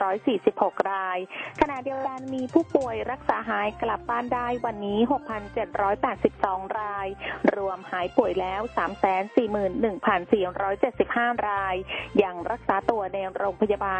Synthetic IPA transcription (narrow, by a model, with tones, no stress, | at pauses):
ɾɔː˦˥jsiː˨˩si˨˩p̚ho˨˩k̚ɾaː˧jkʰa˧na˨˩di˧əwka˧nmiː˧pʰuː˥˩pu˨˩əjɾa˦˥k̚saː˩˦ɦaː˩˦jkla˨˩p̚ːaː˥˩ndaː˥˩jwa˧nːiː˦˥ɦo˨˩k̚pʰa˧nt͡ɕe˨˩t̪̚ɾɔː˦˥jpɛː˨˩t̪̚si˨˩p̚sɔː˩˦ŋɾaː˧jɾu˧əmhaː˩˦jpu˨˩əjlɛː˦˥wsaː˩˦msɛː˩˦nsiː˨˩mɯː˨˩nːɯ˨˩ŋpʰa˧nsiː˨˩ɾɔː˦˥jt͡ɕe˨˩t̪̚si˨˩p̚haː˥˩ɾaː˧jːa˧ŋɾa˦˥k̚saː˩˦t̪u˧ɐnɛː˧wɾoː˧ŋpʰa˧ja˧baː˧